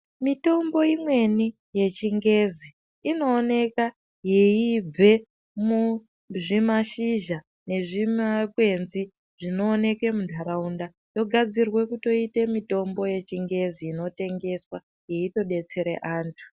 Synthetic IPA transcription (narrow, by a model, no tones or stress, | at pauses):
mito̞mbo̞imwe̞ni | je̞t͡ʃiŋɡe̞zi | ino̞ːne̞ka | jejib͡vʱe̞ | mu | ʐimaʃiʒa | ne̞ʐimakwe̞nzi | ʐ̥ino̞ːne̞kwe̞mudʱaɾaunda | jo̞ɡʱad͡zirwe̞kuto̞ite̞mito̞mbo̞je̞t͡ʃiŋɡe̞ziːno̞te̞ŋɡe̞swa | je̞ito̞ɗe̞t͡se̞ɾḛʔaːntʰu̥